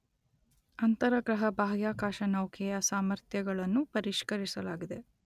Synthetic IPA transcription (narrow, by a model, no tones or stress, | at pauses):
ɐnt̪ɐɾɐɡɾɐɦɐbʱaːɡjaːkaːʃɐnɐwkʰɛjɐsaːmɐɾt̪ʰjɐɡɐɭɐnːupɐɾiʃkɐɾisɐlaːɡid̪e̞